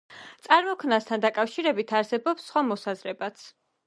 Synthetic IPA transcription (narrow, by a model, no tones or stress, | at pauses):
t̪sʼaɾmɔkʰnast̪ʰand̪akʼafʃiɾɛbit̪ʰaɾsɛbɔpsːχwamɔsazɾɛbat̪sʰ